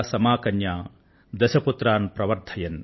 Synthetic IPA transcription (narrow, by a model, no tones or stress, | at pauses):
sɐmaːkɐnjaː | d̪ɐʃɐput̪ɾaːnpɾɐʋɐɾd̪ʰʱɐjɐn